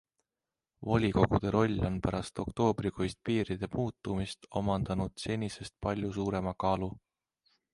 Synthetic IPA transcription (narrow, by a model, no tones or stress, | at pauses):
volʲiko̞ɡ̥ud̪̥e̞ɾʔo̞lʲːo̞npæɾɑst̪o̞kt̪o̞ːbɾikʰojst̪̚piːɾid̪̥e̞muːt̪ːˑumist̪o̞̰mɑnd̪̥ɑnud̪̥senʲise̞st̪̚pɑlʲjusuːɾe̞mɑkɑːlu